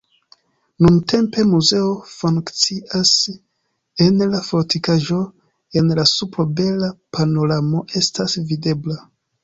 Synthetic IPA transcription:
nunte̞mpe̞muze̞o̞fuŋkt͡siʔas | e̞nlafo̞ɾtikaʒo̞ | e̞nlasupɾobe̞lapʰano̞ɾamo̞ʔe̞stasvide̞bla

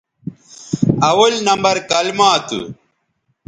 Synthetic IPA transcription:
ɐwɐlnɐmbɐɾkɐlmaːt̪ṵ

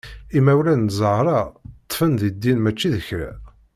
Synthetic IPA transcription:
imæwɾænzˤəʕɾˤɑt̪ˤːfənðid̪ːinmæt͡ʃːiðəçɾæ̰

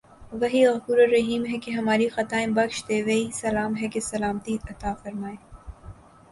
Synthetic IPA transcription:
ʋɐɦiɣɐkuːɾɐɾɐɦiːmɦɛkeɦɐmaːɾixɐt̪aːẽbɐkʃd̪eːʋɐɦisɐlaːmɦɛkesɐlaːmt̪iɐt̪aːfɐɾmaːeː

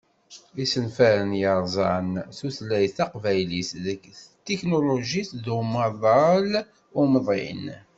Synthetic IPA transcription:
isənfæɾənjəɾˤzˤɑnsuθlæjθɑqvæjlisðəkːθt̪ːiknoloʒisðumɑðˤɑl | ʊməðˤḭn

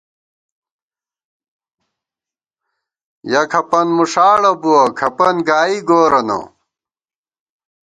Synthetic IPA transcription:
jɐkʰɐpɐnmuʂaːɽɐbuwɐkʰɐpɐnɡaːiɡoːɾɐnɐ̰

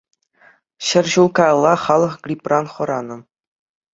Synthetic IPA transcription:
ɕɘ̆rʲʑulˠkɑj̆lˠːɑχɑlˠɤ̆χɡrʲiprɑnχɤ̆ɾɑnɤ̆

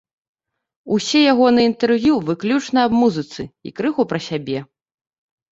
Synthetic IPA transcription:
usʲɛjaɣɔnɨint̪ɛrvʲjuvɨklʲut͡ʂnɐɐbmuzɨt̪sɨḭkɾɨɣupɾɐsʲabʲɛ

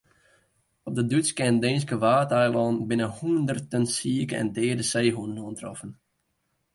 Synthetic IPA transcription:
ɔp̚dədytskɛəndɪns̬kəʋaːtɛjlˠɔːnbɪnəhuəndərtənsiəkəɛ̰ndɛːrdəsejɦunənoəntrɔ̰fən

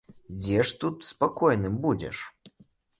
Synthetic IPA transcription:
d͡zʲɛʂt̪ut̪spakɔjnɨmbud͡zʲɛ̰ʂ

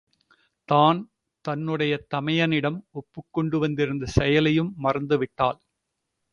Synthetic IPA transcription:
t̪aːn | t̪ɐnːɯɽɐjɐt̪ɐmɐjɐnɪɽɐmɔpːɯkːɔɳɖɯʋɐnd̪ɪɾɯnd̪ɐsɛjɐlɐjɯmːɐrɐnd̪ɯʋɪʈːa̰ːl

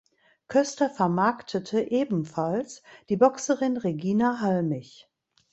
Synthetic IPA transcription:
kʰœstɐfɛɐmaɐktʰətʰəʔeːbm̩falsd̥iːbɔksəʁɪnʁeɡiːnaɦalmɪç

